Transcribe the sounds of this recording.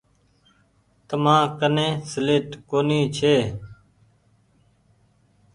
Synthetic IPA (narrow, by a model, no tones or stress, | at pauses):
t̪əmãːkənẽːsəleːʈkoːniːt͡ʃʰeː